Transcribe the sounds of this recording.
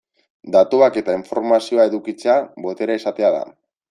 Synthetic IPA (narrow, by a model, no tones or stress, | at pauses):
d̪at̪uake̞t̪aiɱfo̞ɾmasio̞ae̞ðukit͡se̞aβo̞t̪e̞ɾaesat̪eaða̰